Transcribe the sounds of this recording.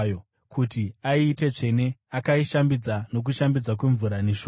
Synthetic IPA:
jo | kʰutiaiːte̞t͡ʂe̞ne̞akaiʃambid͡zano̞k̬uʃambid͡zak̬we̞ɱvuɾaneʃo

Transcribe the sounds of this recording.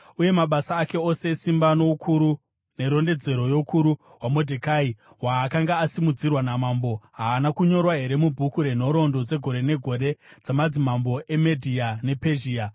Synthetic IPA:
uje̞maɓasaːke̞o̞se̞simbano̞ukʰuɾu | ne̞ɾo̞nde̞d͡ze̞ɾo̞jo̞ukʰuɾu | wamo̞dʱekai | waːkaŋɡaːsimud͡zirwanamaːmbo̞ɦaːnakuɲo̞rwaɦe̞ɾe̞mubʱukuɾe̞n̤o̞ɾo̞ndo̞d͡ze̞ɡʱo̞ɾe̞ne̞ɡʱo̞ɾe̞d͡zamad͡zimambo̞ʔe̞medʱiane̞pe̞ʒiːa

